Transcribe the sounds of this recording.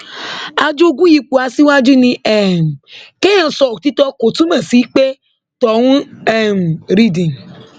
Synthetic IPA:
a˨d͡ʒo˦ɡu˦ji˧k͡pu˨a˨si˦wa˦d͡ʒi˦nĩ˧ɛ˨m̩˨ke˦ã˨n̩˨sɔ˨ti˦tɔ˦ko˨tu˦mã˨si˨˦k͡pe˦ | tɔ˨ŋũ˦ɛ˦˨m˨ɾi˦dĩ˨n˨

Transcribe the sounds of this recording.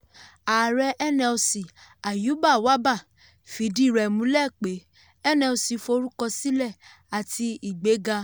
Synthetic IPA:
a˨ɾɛ˧ʔɛ˦nɛ̃˧o˧si˨a˨ju˨˦ba˦˨wa˦ba˦˨ | fi˨˦di˦˨ɾɛ˨mũ˨˦lɛ˦˨k͡pe˨˦ | ɛ˦nɛ̃˧o˧si˧fo˧˦ɾu˦kɔ˧si˦lɛ˦˨ | a˨tʰi˧i˨ɡ͡be˨˦ɡa˧

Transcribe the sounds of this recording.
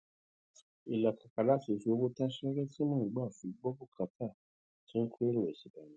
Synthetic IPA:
i˨la˨ka˨ka˨la˨˦fi˨si˧o˧bo˦ta˦ʃɛ˦ɾɛ˦ti˦mã˦˨ɡ͡ba˦˨fi˨˦ɡ͡bɔ˦bu˦ka˧˦tʰa˦˨ | tĩ˦ke˦ɾo˦˨e˨si˨ba˨nĩ˨

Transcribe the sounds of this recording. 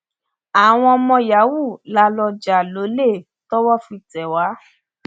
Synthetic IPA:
a˨w̃ɔ̃˧mɔ̃˧ja˨˦wu˦˨la˧lɔ˧d͡ʒa˨lo˨˦le˦˨ | tɔ˦wɔ˦fi˧˨tɛ˨wa˨˦

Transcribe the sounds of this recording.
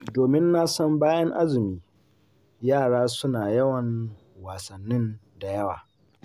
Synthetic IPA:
doː˨mɪ˦nːa˦sɔ˦mbaː˦jɐ˦ŋʔa˦zɪ˨miː˦ | jaː˦˨ɽaː˦sʊ˦naː˨jɐ˦wɐ˨ŋ | waː˨sɐ˨nːɪ˦n | da˨jɐ˦wa̰ː˨

